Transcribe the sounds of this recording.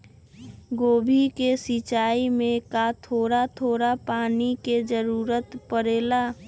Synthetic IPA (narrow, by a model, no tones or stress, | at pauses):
ɡoːbʱikesit͡ʃaːimẽkat̪ʰoːɾat̪ʰoːɾapaːniked͡ʒəɾuːɾət̪pəɾeːla